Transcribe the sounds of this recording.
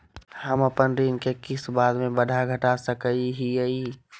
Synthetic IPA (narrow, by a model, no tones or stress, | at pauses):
həməpənɾinkekɪsbaːd̪mẽbəd̪ʱaɡʱəʈasəkəiɦiəi